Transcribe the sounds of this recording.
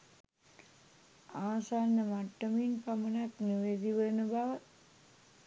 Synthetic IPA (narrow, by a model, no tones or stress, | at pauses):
aːsaːnːəmaʈːəminpamənaknuʋed̪iʋənəbaʋə